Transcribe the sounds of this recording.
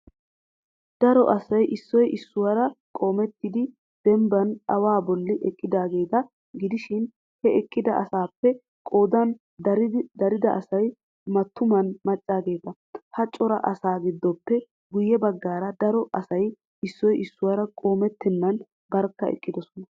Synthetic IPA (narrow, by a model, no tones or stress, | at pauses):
d̪̥ɐɾɔ̰ʔɐsɐjʔɪsːɔjʔɪsːʊwɐɾɐkʼo̞ːmɛt̪ːɪd̪ɪ | d̪̥ɛmbɐnɐwaːbɔlːɪʔɛkʼːɪd̪aːɡe̞ːt̪ɐ | ɡɪd̪ɪʃɪn | hɛɛkʼːɪd̪ɐʔɐsaːpːɛ | kʼo̞ːd̪ɐn | d̪ɐɾɪd̪ɐʔɐsɐj | mɐt̪ːʊmɐnmɐt͡ʃʼːaːɡe̞ːt̪ɐ | hɐt͡ʃʼːɔɾɐ̰ʔɐsaːɡɪd̪ːɔpːɛ | ɡʊjːɛbɐɡːaːɾɐd̪ɐɾɔʔɐsɐj | ɪsːɔjʔɪsːʊwaːɾɐkʼo̞ːmɛt̪ːɪnːɐn | bɐɾkːɐɛ̰kʼːɪd̪ɔsɔnɐ